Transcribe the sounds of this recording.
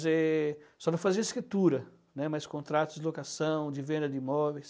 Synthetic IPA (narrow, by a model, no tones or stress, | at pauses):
zesɔnɐ̃w̃faziɐeskɾit̪uɾɐ | nɛmaskõnt̪ɾat̪ʊzd͡ʒɪlokasɐ̃w̃d͡ʒ̪ɪvẽnd̪ɐd̪ɪimɔvejs